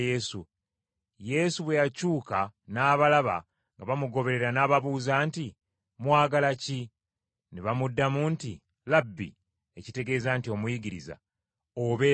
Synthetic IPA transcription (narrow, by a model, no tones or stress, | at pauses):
jesu | je̞suβwe̞jacuːkanaːβalaβa̰ | ŋɡaβamuɡo̞βe̞ɾe̞ɾanaːβaβuːzaːnti | mwaːɡalaci | neβamudːamunti | labːḭ | e̞cite̞ɡe̞ːzaːntio̞mujiɡiɾiza̰ | oβe